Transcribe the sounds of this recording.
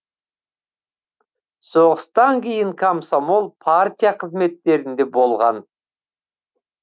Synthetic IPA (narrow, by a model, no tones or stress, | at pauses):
so̞ʁəst̪ɑŋkʲʰejɪŋkʰamsomo̞lˠpʰaɾt̪ʲijaqʰəzme̞t̪ːe̞ɾɪnd̪e̞bo̞lˠʁɑn